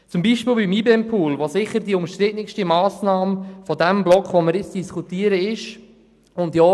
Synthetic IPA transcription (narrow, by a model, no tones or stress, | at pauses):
t͡sʊmbiːʃpiːlbimibɛmpʰuːlʋosɪχəɾdiʊmʃt̪ɾɪtnɪkʃtimɑːsnɑːmfɔdɛmblɔkʋoməɾɪt͡sd̥iskutiːəɾəɪʃ | ʊndjɔː